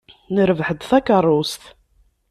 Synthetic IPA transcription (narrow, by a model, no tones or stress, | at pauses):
nəɾəvħəd̪θækərˤːost̪